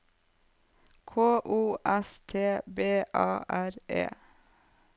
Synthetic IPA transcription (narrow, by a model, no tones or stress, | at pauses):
kʰoːʔuːʔɛst̪ʰeːbeːʔɑ̰ːʔæɾḛː